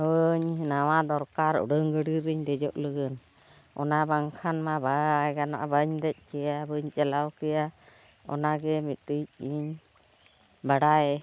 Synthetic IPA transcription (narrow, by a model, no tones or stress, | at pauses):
əɲnawad̪ɔɾkaɾɔ̰ɖəŋɡəɽiɾiɲd̪ɛd͡ʒɔʔləɡən | ɔ̰nabaŋkʰanmabaaɡana̰ʔabaɲd̪ɛc̚ˀkɛjabəɲt͡ʃʼɛlawkɛja | ɔ̰naɡɛmitic̚iɲ | baɽaɛ